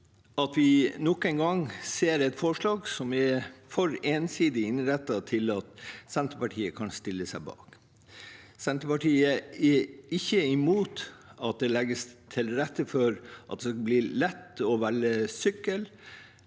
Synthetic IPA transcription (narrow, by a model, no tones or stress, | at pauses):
ɑt̪ʋɪnɔkːæɪŋɡɑŋseːɾɛt̪fɔʂɭɑːɡsɔmɛfɔɾeːnsiːd̪ɪɪnɾɛt̪ːɑt̪ʰɪlɑt̪sɛnt̪ɾəpɑʈʰiːəkʰɑnst̪ɪlːəsæɪbɑ̰ːk | sɛnt̪ɾəpɑʈʰiːəɛɪçːəɪmuːt̪ɑt̪̚d̪ɛlɛɡːəst̪ʰɪlɾɛt̪ːəfɔɾʔɑt̪̚d̪ɛskɑbliːlɛt̪ːɔʋælːəsʏkːəl